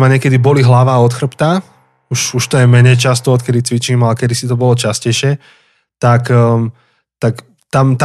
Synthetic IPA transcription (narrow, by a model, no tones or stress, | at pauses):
maɲɪɛkɛd̪ibɔliɦlaʋaːɔt̪xr̩pt̪a | uʃuʃt̪ɔjɛmɛɲɛjt͡ʃast̪ɔɔt̪kɛd̪it͡sʋit͡ʃiːmalɛkɛd̪isit̪ɔbɔlɔt͡ʃascɛjʃɪɛ | t̪ak | t̪ak | t̪amt̪